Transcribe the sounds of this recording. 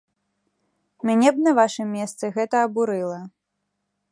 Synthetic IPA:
mʲanʲɛb̚nɐvaʂɨmʲːɛst̪sɨɣɛt̪ɐːbuɾɨlˠɐ

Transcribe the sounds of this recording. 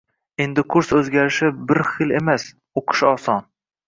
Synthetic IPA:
e̞nd̪ɪkʰʊɾsɵzɡʲaɾɪʃɪbɪɾχɨle̞mas | oqʰɨ̥ʃɒsɒn

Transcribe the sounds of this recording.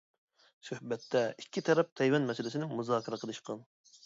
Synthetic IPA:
søhbɛt̪ʰːɛikʲʰːit̪ʰɛɾɛp̚t̪ʰɛjwɛnmɛsɪlɪsɪnɪmuzɑːkʲʰiɾəqʰəlˠɨʃqɑn

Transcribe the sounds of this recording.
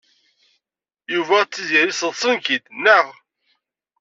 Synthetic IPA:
juvæt͡sːiziɾisəðˤsˤənkid̪nːəʁ

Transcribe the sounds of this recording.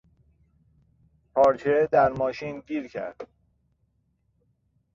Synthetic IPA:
pʰɒːɾt͡ʃʰed̪æɾmɒːʃiːnɟiːɾcʰæ̰ɾd̪̥

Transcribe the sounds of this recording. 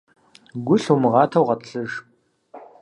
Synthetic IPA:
ɡʷʊɬumɨʁɑːtʰɐwʁɐtɬɨʒ

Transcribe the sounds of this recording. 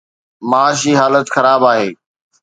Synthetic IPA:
maːʃɦiːɦaːlət̪xɐɾaːbaːɦeː

